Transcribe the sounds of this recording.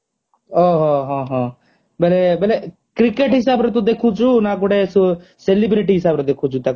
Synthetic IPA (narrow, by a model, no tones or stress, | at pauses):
oːɦoɦãːɦãː | bɛlebɛle | kɾɪkeʈɦɪsaːbɾet̪ũd̪eːkʰuːd͡ʒuːnakʊɽesuselɪbɾiʈiːɦɪsaːbɾed̪eːkʰuːd͡ʒuːt̪aː